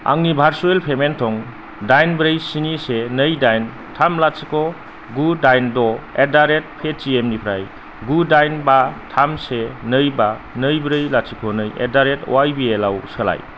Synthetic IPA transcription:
a̰ŋnibʱaɾsuelpʰementʰɔŋ | dajnbɾɯjsinisenɯjdajn | tʰamlatsikʰɔ | ɡudajndɔedaɾet̚pʰet͡ʃiemnipʰɾaj | ɡudajnbatʰamsenɯjba | nɯjbɾɯjlat̚sikʰɔnɯjḛdaɾetwajbielawsəla̰j

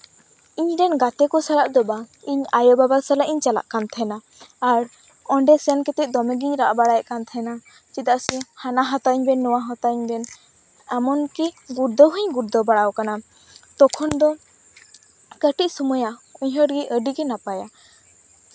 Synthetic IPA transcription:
iɲɾɛnɡat̪ɛkɔsalaʔd̪ɔbaiɲajɔbabasalaʔiɲt͡ʃala̰ʔkant̪ʰɛnaː | ɾ | ɔɳɖɛsjankɛt̪ɛʔ̪̚d̪ɔmɛɡiɲɾaʔbaɽajɛʔkant̪ʰɛna | t͡ʃid̪aʔsihanaɦat̪aɲbɛnːɔwaɦɔt̪aɲbɛn | amɔnkiɡuɾd̪ɔɦəɲɡuɾd̪ɔbaɽawkana | t̪ɔkʰɔnd̪ɔ | kəʈiʔ̚sɔmujauɲɦəɖɡiʔəɖiɡɛnapaja

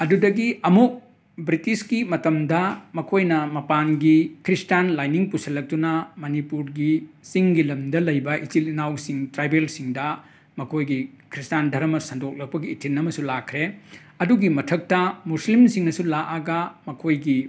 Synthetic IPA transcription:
ɐdudɐɡiɐmuk̚ | bɾitiskimɐtɐmdɐmɐkʰojnɐmɐpanɡikʰɾistanlajniŋpusɐlɐk̚tunɐmɐnipuɾɡisiŋɡilɐmdɐlɐjbɐʔitilinawsiŋtɾajbelsiŋdɐ | mɐkʰojɡikʰɾistandʱɐɾɐmɐsɐndok̚lɐk̚pɐɡiːtʰinːɐmɐsulakʰɾe | ɐduɡimɐtʰɐk̚tɐmuslimsiŋnɐsulaʔaɡɐmɐkʰojɡi

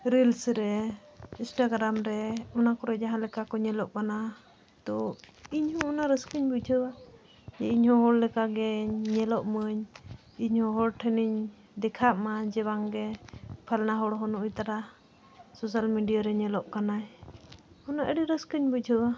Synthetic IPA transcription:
ɾilsɾɛĩnsʈaɡɾamɾɛɔnakɔɾɛd͡ʒaɦãlɛkakɔɲɛlɔʔkana | t̪ɔ | iɲhɔ̃ːnaɾəskəɲbud͡ʒʱəwa | jɛiɲhɔ̃ɦɔɽlɛkaɡɛɲɛlɔʔməɲ | iɲhɔ̃ɦɔɽʈʰɛniɲ | d̪ɛkʰaʔmad͡ʒɛbaŋɡɛpʰalnaɦɔɽɦɔnɔʔujt̪aɾa | sɔs̬almiɖijaɾɛɲɛlɔʔkanaj | ɔnaʔəɖiɾəskəɲbəd͡ʒʱəwa

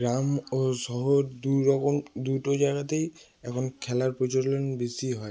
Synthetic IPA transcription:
ɡɹamosɔɦɔduɹɔkɔmdutɔd͡ʒaɡat̬ej | ɛkʰɔnkʰɛlaɹpɹɔd͡ʒɔlɔnbesiɦɔj

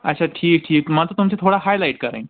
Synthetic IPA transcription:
ə̰ɕʰaʈʰiːk̚ʈʰiːkmat̪t̪umt͡ɕet̪ʰoɽaɦajlajʈkəɾã̰j̃

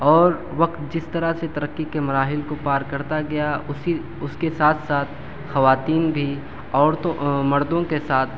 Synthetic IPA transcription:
ɔːɾ | ʋɐkt̪̚d͡ʒɪst̪ɐɾaset̪ɐɾəkːikemɐɾaːɦɪlkopaːɾkɐɾt̪aɡɐja | ʊskesaːt̪ʰsaːt̪̚ʰ | xɐʋaːt̪iːnbʱi | ɔːɾt̪omɐɾd̪õkesaːt̪ʰ

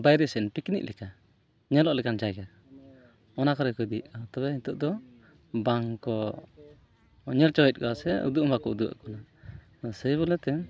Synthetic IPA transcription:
bajɾɛsɛnpikinḭʔlʔɛka | ɲɛlɔʔlɛkand͡ʒajɡa | ɔnakɔɾɛkɔd̪iʔkɔt̪ɔbɛit̪uʔd̪ɔ | baŋkɔ | ɲɛlt͡ʃɔɛt̪̚ˀkɔasɛṵd̪uʔmbakɔud̪ua̰ʔkɔna | sɛjβɔlɛt̪ɛm

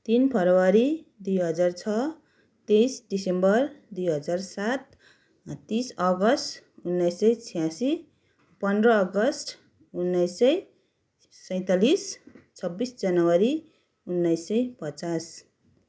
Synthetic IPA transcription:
t̪inpʰʌɾʌwaɾid̪ujɦʌd͡zart͡sʰʌ | t̪ejsɖisembʌrd̪ujɦʌd͡zarsat̪ | t̪ːisʌɡʌsʈunːʌjsʌjt͡sʰijãsi | pʌndrʌːɡʌsʈ | unːʌjsʌj | sʌj̃t̪alist͡sʰʌbːisd͡zʌnʌwaɾi | unːʌjsːʌjpʌt͡sas

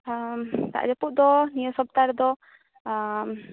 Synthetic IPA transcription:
t̪a̰ʔd͡ʒɔpuʔd̪ɔnijɔsɔb̚t̪aɾd̪ɔ

